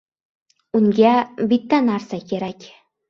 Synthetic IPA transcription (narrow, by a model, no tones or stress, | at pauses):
uŋɡʲæbit̪ːænɑɾsakʲeɾækʲ